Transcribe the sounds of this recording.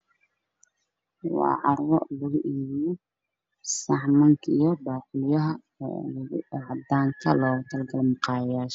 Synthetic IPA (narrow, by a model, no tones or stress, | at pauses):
wɑ̰ːʕɑrwɔ̰lɐɣʊʔiːβijɔ | sɑħmɐŋkʰijɔbɑːqʊljɐɦɐ | ʕɑd̪aːŋkʰɐlɔːt̪ʰɐlɡɐlmʊqɑːjaːʃ